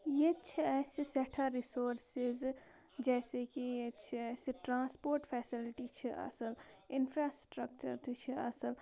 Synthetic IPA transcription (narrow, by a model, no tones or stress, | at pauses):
jet͡ʃʰiɛːsisɛʈʰaɾisoːɾsɪz | d͡ʒɛːsekijet͡ʃʰiɛːsʈɾãːspoːɾʈfʰɛːsɪlʈit͡ʃʰiʔɐ̰səl | ɪnfɾaːsʈɾək̚t͡ʃə̰ɾt̪ʰt͡ʃʰiɐ̰səl